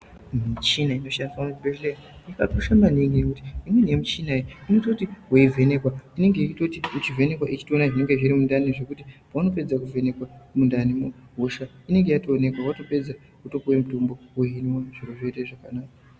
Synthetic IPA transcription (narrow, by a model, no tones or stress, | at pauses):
mit͡ʃinaino̞ʃandisamubʱeleajikatuʃamaniŋɡinekuti̥imweniemut͡ʃinaiinoto̞tiɦoive̞ne̞kwaine̞ŋɡe̞it͡ʃito̞tiut͡ʃive̞ne̞kwaʔit͡ʃi̥tonaʐine̞ŋɡeʐiɾimundaniʐe̞kutipawano̞pe̞d͡zakuve̞ne̞kwamundanimoɦoʃa | ine̞ŋɡe̞jatoːne̞kwawato̞pe̞d͡za | kuto̞kuwemutombo̞wuɦinwaʐ̥iɾoʐeiteʐakanaːka